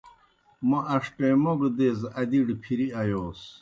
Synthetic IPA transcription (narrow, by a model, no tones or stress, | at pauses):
moʔɐʂʈeːmoɡd̪ezɐd̪iɖpʰiɾiɐjoːs